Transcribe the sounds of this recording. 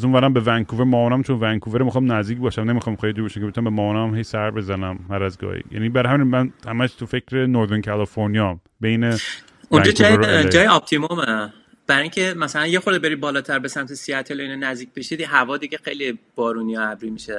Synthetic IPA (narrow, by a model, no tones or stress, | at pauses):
zumvæɾæmbe̞væŋkʰuveɾmɒːnæmt͡ʃʰonvæŋkʰuveɾmixɒjmnæzd̪iːcbɒːʃæmnemixɒjmχɒːjed͡ʒibɒːʃæmcʰʲeet̪unæmbemɒɒnææmɦe̞jsæɾbe̞zænæmhæɾæzɡɒ̰hḭjæ̰ːnibæɾhæminmænhæmæʃt̪ʰufe̞cɾenoɾd̪encʰælofoɾnijɒm | bejne | ũnnæd͡ʒd͡ʒɒːjɾd͡ʒɒːjeɔp̚t̪ʰimome | b̥æɾiŋcʰemæsælænje̞xo̞ɾd̪ebe̞ɾid̪̚bɒːlɒːt̪ʰæɾbesæmt̪ʰesiæt̪ʰeloinɛnæzd̪iːc̚beʃid̪iɦævɒːd̪iɡɟexejlib̥ɒːɾuniɔæbɾimiʃe